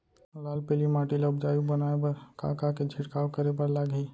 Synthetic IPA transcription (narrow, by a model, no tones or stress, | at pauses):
ʊlaːlpeːlimaːʈilɐb̚d͡ʒaːjubɐnaːepɐɾka̰ːkaked͡ʒʱɪʈkaːwkəɾepɐɾlaːɡi